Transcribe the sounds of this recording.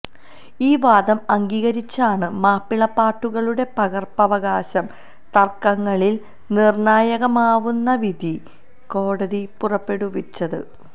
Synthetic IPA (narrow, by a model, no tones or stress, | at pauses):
iːʋaːd̪ɐmɐŋɡiːɣɐɾit͡ɕːaːɳɨmaːpːiɭɐpːaːʈːuɣɐɭuɽe̞pɐɣɐrpɐʋɐɣaːɕɐm | t̪ɐrkɐŋːɐɭil | nirnaːjɐɣɐmaːʋunːɐʋid̪ʱi | ko̞ːɽɐðipurɐpːe̞ɽuʋit͡ɕːɐðɨ